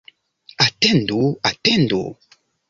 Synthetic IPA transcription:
atɛndoatɛndo̰

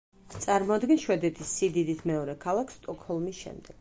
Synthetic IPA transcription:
t̪sʼaɾmɔad̪ɡɛnʃwɛd̪ɛt̪ʰisːid̪id̪isʰmɛɔɾɛkʰalˠakʰst̪ʼɔkʰhɔlˠmisʃɛ̰md̪ɛɡ̥

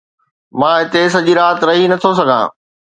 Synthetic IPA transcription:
mãːɦɪt̪esɐʄiɾaːt̪ɾɐɦinɐt̪ʰosɐɡʱã̰ː

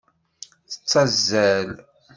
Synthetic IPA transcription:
θə̥t͡sːɑzːæl

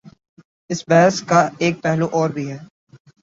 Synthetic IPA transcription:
ɪsbɛɦəskaeːk̚pɛɦloʔɔːɾbʱiɦɛː

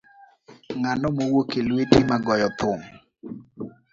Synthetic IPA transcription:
ŋanɔmowokelwetimaɡɔjɔt̪ʊŋ

